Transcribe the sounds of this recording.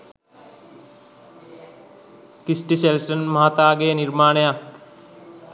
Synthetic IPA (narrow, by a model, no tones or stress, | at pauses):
kisʈiselsənmɐɦat̪aːɡeːniɾmaːɳ̃ejak